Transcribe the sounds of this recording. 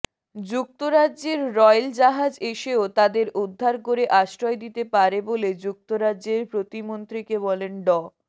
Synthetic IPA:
d͡ʑuk̚t̪oɾaʑeɾːɔjld͡ʑaɦad͡ʑeʃeot̪ad̪eɾʔud̪ʱːaɾkoɾeʔaʃɾɔed̪it̪epaɾeboled͡ʑuk̚t̪oɾaʑeɾpɾot̪imont̪ɾikeβɔlenɖɔ

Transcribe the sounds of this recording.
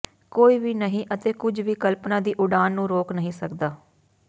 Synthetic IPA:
koːiːʋiːnəɦĩːʔət̪eːkʊd͡ʒʋiːkəlpnãːd̪iːʔʊɖaːnːũːɾoːknəɦĩːsəkd̪aː

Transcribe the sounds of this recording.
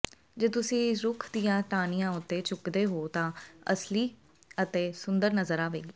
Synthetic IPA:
d͡ʒeːt̪ʊsĩːɾʊkʰd̪ijãːʈaːnijãːʊt̪ːeːt͡ʃʊkd̪eːɦoːt̪ãːəsliː | ət̪eːsʊnd̪əɾnəzəɾaːʋḛːɡiː

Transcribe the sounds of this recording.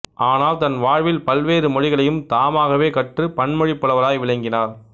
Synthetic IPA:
ʔaːnaːlt̪ɐnʋaːɻʋɪlpɐlʋeːɾɯmɔɻɪɣɐɭɐjɯmt̪aːmaːɣɐʋeːkɐʈrɯpɐɳmɔɻɪpːɐɭɐʋɐlaːjʋɪɭɐŋɡɪnaːɾ

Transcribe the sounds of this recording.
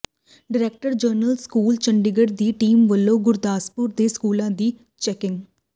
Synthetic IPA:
ɖɪɾeːk̚ʈəɾd͡ʒəɾnəlskuːlt͡ʃəɳɖɪɡəɽd̪iːʈiːmʋəlːõːɡʊɾd̪aːspʊɾd̪eːskuːlãːd̪iː | t͡ʃɛːkɪ̃ŋɡ

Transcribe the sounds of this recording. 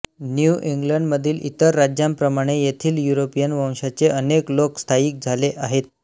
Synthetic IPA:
njuʔiŋɡləɳɖməd̪ʱiːlʔit̪əɾːad͡ʑjampɾəmaɽ̃ejet̪ʰiːljuɾopijənʋə̃w̃ɕat͡seəneklokst̪ʰaiːk̚d͡zʱaleʔaɦet̪̚

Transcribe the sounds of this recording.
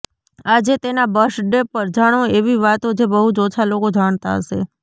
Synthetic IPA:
ad͡ʒet̪enabəʃɖepəɾd͡ʒaɽ̃oeʋiʋat̪od͡ʒebəɦud͡ʒɔt͡ʃʰalokod͡ʒaɳ̃t̪aɦəʃe

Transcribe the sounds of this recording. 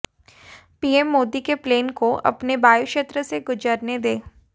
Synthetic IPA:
piːemːoːd̪ikepleːnkoʔɐ̰pnebaːjʊkʃeːt̪ɾəseɡʊd͡ʒəɾned̪eː

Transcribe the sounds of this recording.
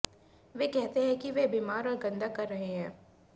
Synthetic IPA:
ʋeːkɛɦt̪eɦɛ̃kiʋeːbiːmaːɾɔːɾɡɐ̃nd̪akɐɾːɐɦeɦɛ̃ː

